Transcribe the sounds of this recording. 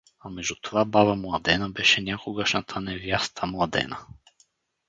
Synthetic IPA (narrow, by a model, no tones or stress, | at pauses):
amɛʒd̪ut̪ovabavəmlˠɐd̪ɛnəbɛʃɛnʲakoɡəʃnat̪ʰənɛvjast̪ʰəmlˠɐd̪ɛ̰nə